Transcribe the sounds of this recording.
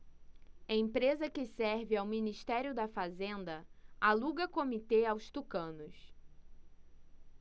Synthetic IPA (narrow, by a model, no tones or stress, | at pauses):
ɐẽpɾezɐkɪsɛɾvɪawminiʃt̪ɛɾjʊd̪ɐfazẽnd̪ɐaluɡɐkomit̪eawst̪ukɐ̃nʊs